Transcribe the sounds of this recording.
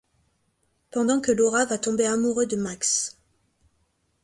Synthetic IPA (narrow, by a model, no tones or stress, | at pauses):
pɑ̃d̪ɑ̃kəlɔʁavat̪ɔ̃beamuʁød̪əmaks